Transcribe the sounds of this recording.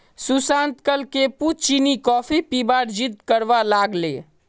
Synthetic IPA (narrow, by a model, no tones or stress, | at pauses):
susãnt̪kəlkeput͡ʃinikɔːpʰipibaːɾd͡ʒit̪kəɾʋalaɡlḛ